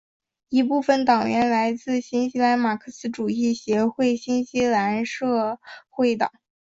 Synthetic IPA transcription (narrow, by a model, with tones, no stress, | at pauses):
i˧˥pu˥˩˧fə˥˩nt̪ɑ˨˩ŋɥɛ˧˥nla˧˥ɪt͡sɹ̩˥˩ɕi˥nɕi˧˥la˧˥nma˨˩kʰɤ˥˧sɹ̩˧˥ʈ͡ʂu˨˩i˥˩ɕjɛ˧˥xwe˥˩ɪɕi˥nɕi˧˥la˧˥nʂɤ˥˧xwe˥˩ɪt̪ɑ̰˨˩˦ŋ